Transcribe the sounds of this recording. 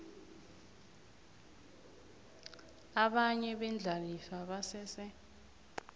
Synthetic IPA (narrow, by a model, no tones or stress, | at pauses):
aɓaɲɛɓɛnd͡ɮʱalifaɓasɛːsɛ